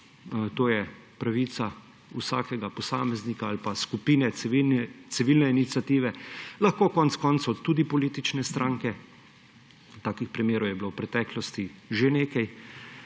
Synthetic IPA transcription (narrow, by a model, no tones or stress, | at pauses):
t̪oːjɛ | pɾaʋiːt̪sa | usaːkɛɡapɔsaːmɛznikaalpaskupiːnɛit̪siʋiːlnɛinit̪sʲjat̪iːʋɛlɐxkoːkɔnt̪skɔnt̪saɔt̪t̪ːuːd̪ipɔliːt̪it͡ʃnɛst̪ɾʔaːŋkɛ | t̪aːkixpɾimjeːɾɔwjɛbilowpɾɛt̪ɛːklɔst̪iʒeneːkaj